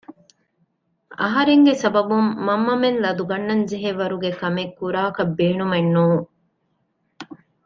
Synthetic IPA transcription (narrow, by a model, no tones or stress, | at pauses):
ɐ̰ɦɐɾeŋɡesɐbɐbumːɐmːɐmenlɐd̪uɡɐnːɐnd͡ʒeɦeʋɐɾuɡekɐmekːuɾaːkɐbːeːnumenːuːŋ